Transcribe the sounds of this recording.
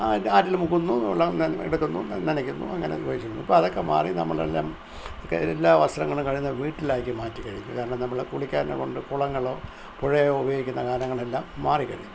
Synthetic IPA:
aaːtːilmukːunːuɭːɐḛɽukːunːṵnenɐkʲːunːṵɐ̰ŋːɐneʋɐjit͡ɕːiunːuipːoɐðo̞kːe̞ma̰ːrinɐmːɐ̰ɭḛlːaːm | kːeelːaːʋɐst̪ɾɐŋːɐɭumkɐɻijunːɐʋiːʈːilaːkːimaːtːikɐɻijunːukaːɾɐɳɐmnɐmːɐɭkuɭikʲːaːnḛko̞ɳɖɨkuɭɐŋːɐɭo̞ː | puɻɐjjoubɐjoːɡikʲːunːɐkaːɾɐŋːɐɭelːaːmːaːrikːɐɻijːu

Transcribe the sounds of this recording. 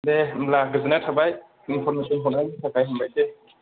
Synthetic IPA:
dɛmlaɡzinɛtʰabaj | inpʰɔɹmesɔnɦɔnajnitʰakajɦɔmbajtɛ

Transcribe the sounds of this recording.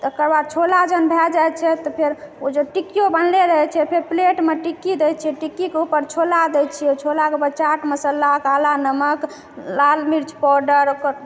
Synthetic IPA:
t̪kəɾbad̪̚t͡ʃʰolad͡ʒənbʱɛd͡ʒajt͡ʃʰɛt̪ɔpʰeɾod͡ʒeʈikijobənleɾəɦɛt͡ʃʰɛpʰeɾpleʈmeʈikːid̪ɛjt̪t͡ʃʰɛʈikːikeupəɾt͡ʃʰolad̪ɛt͡ʃʰiot͡ʃʰolakebət͡ʃaʈməsəlːakalanəmək | lalmiɾt͡ʃpɔɖəɾokəɾ

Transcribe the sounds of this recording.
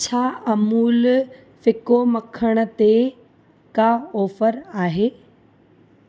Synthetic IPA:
t͡ɕʰaːɐmuːl | fɪkomɐkʰəɽ̃ʊ̆t̪e | kaːoːfəɾaːɦeː

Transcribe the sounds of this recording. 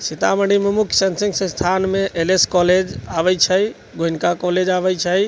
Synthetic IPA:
sit̪aməɳɖimemukʰsənsĩŋɡsə̃st̪ʰanmeʔeleskɔled͡ʒabɛjt͡ʃʰəj | ɡoinkakɔled͡ʒabɛjt͡ʃʰəj

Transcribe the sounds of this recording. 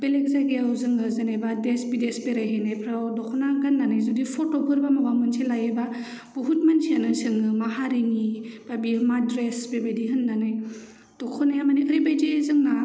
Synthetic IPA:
belek̚zajɡeawzɯŋɯzɯnajbadesbidesbeɾajɦejnajpʰɾawdɔkʰɔnaɡanːanajzudipʰɔtɔpʰɯɾbamabamɯnsʰelajeba | b̥uɦut̚mansianɯsɯŋɯmaɦaɾiŋibabimadɾesbebajdiɦɯnːanaj | d̥ɔkʰɔnajamaniɯɾibajdizɯŋna

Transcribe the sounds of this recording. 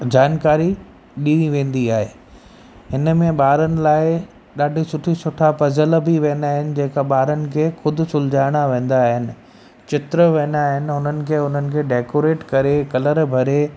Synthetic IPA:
d͡ʑaːnkaːɾi | ɗĩʋẽːn̆d̪iaːɦeː | ɦɪnəmẽɓaːɾənɪ̆laːɪ | ɗaːɖʱisʊʈʰisʊʈʰapɐzəlbʱiʋẽːnd̪aːɦɪnɪ̆d͡ʑẽːkaɓaːɾənɪ̆kʰeːxʊd̪ʱʊ̆sʊld͡ʑaːɪɽ̃aʋẽːn̆d̪aːɦɪnɪ̆ | t͡ɕɪt̪ɾəʋẽːnd̪aːɦɪnɪ̆ɦʊnənɪ̆kʰeːɦʊn̤ənɪ̆kʰeːɖeːkoːɾeːʈkɐɾekɐləɾbʱɐɾe

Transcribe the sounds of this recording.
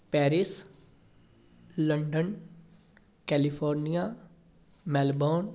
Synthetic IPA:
pɛːɾɪs | ləɳɖən | kɛːlipʰoːɾnijaː | mɛːlboːn

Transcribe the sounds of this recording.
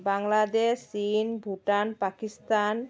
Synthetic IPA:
baŋlad̪esːinbʱuʈanpakist̪an

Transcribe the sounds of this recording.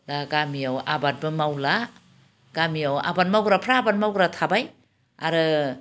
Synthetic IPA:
laɡamiawabat̚bɯmawla | ɡamiawa̰bat̚mawɡɾapʰɾaːbat̚mawɡɾatʰabaj | aɾɯ

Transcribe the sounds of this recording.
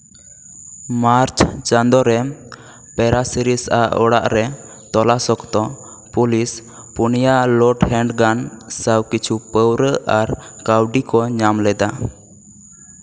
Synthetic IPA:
maɾt͡ʃʰt͡ʃənd̪ɔɾɛ | pɛɾasiɾisʔaɔɽaʔɾɛ | t̪ɔlasɔkt̪ɔ | pulis | punijalɔʈhɛɳɖɡansəwkit͡ʃʰupəwɾəaɾkawɖikɔɲamlɛd̪a

